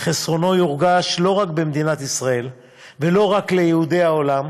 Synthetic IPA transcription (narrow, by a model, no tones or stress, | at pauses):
χesʁo̞no̞juʁɡaʃlo̞ʁakbe̞md̪inat̪isʁae̞l | ve̞lo̞ʁakle̞jehud̪e̞jaolam